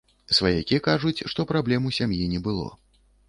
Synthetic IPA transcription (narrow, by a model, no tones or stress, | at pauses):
svajakʲikaʐut͡sʲʂt̪ɔpɾablʲɛmusʲamjinʲɛbɨlˠɔ̰